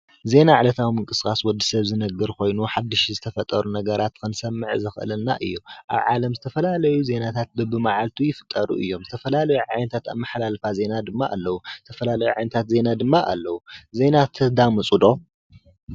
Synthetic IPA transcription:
ze̞naʕlɐt̪ʰawmɨŋkʼɨsɨkʼaswɔd̪ːisɐβzɨnɐɡːɨɾkʰo̞jnuħad̪ːɨʃizɨt̪ʰɐfɐt̪ʼːɐɾunɐɡɐɾat̪kʰɨnsɐmːɨʕzɨxʔɨ̰lɐlna̰ʔɨ̰jːuʔa̰βʕalɐmzɨt̪ʰɐfɐlalɐjuze̞nat̪ʰat̪̚bɨbɨmaʕalt̪ʰujɪfɨt̪ʼːɐɾṵʔɨ̰jːo̞mzɨt̪ʰɐfɐlalɐjuʕajnɐt̪ʰat̪a̰βmaħlalfaze̞nad̪ɨmːaʔa̰lːɐwuzɨt̪ʰɐfɐlalɐjuʕajnɐt̪ʰat̪ze̞nad̪ɨmːaʔa̰lːɐwuze̞nat̪ʰɐd̪amɨt͡sʼud̪o̞

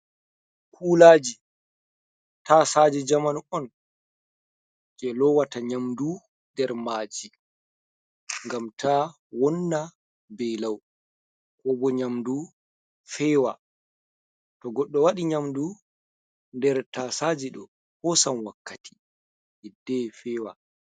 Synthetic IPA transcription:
kʰuːlaːd͡ʒi | taːsaːd͡ʒid͡ʒamanuɔn | d͡ʒɛlɔwataɲamdu | ndɛɾmaːd͡ʒi | ŋɡamtʰa | wɔnːa | bɛlaw | kɔbɔɲamdu | fɛːwa | tɔɡɔɗːɔwaɗiɲamdu | ndɛɾtasad͡ʒiɗɔ̰ | hɔsamwakːati̥ | ɛdɛfɛːwa̰

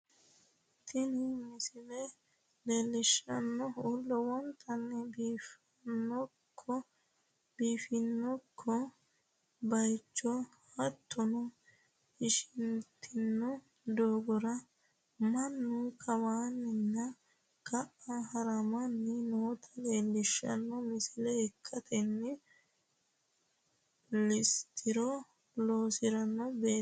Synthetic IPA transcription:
t̪ɪnɪmɪsɪnɛ | neːlːɪʃɐnːɔuːlːɔwɔnt̪ʰɐnːɛbiːfɐnːɔkʰːɔ | b̥iːfɪnːɔkʰːɔ | bɐjt͡ʃːɔ | hɐt̪ʰːɔnɔ | ɪʃɪnt̪ʰɪnːɔ | d̪oːɡɔɾɐ | mɐnːʊkʰɐwaːnːɪnːɐ | kʰɐʔɐhɐɾɐmɐnːɪnoːt̪ʰɐlelːɪʃːɐ̰nːɔmɪsɪlɛɛkʰːɐt̪ʰɛnːɪ | lɪst̪ʰɪɾɔ | loːsɪɾɐnːɔbeː

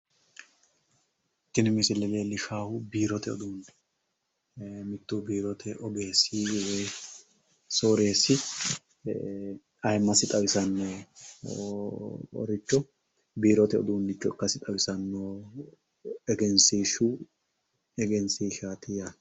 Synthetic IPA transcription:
ɪt͡ʃːɪnɪmisɪlɛleːlɪfaːhʊbiːɾɔt̪ɛɔ̰d̪uːn | mɪt̪ːuːbiːɾɔt̪ʰɛʔɔɡe̞ːsːɪwɛj | soːɾe̞ːsːɪ | ɐjmɐsɪt̪ʼɐwɪsɐnːɛ | ɔ̰ɾɪt͡ʃːɔ | biːɾɔt̪ɛɔ̰d̪uːnːɪt͡ʃːɔɪkːɐsɪt̪ʼɐwɪsɐnːoː | ɛɡɛnsiːʃu | ɛɡɛnsiːʃaːt̪ɪja

